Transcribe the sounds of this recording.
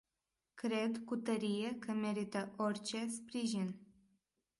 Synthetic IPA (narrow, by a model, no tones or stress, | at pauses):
kɾed̪kut̪əɾijekʰəmeɾit̪əʔorʲt͡ʃespɾiʒin